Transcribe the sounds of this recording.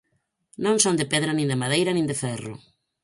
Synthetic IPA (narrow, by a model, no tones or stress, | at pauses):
nõŋsond̪ɪpeðɾɐnĩnd̪ɪmað̞ejɾɐnĩnd̪efɛrʊ̰